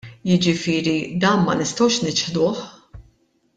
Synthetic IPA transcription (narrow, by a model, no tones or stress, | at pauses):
jɪd͡ʒɪfɪːɾid̪ɐːnmɐ̰nɪst̪ɐwʃnɪt͡ʃħd̪ʊːħ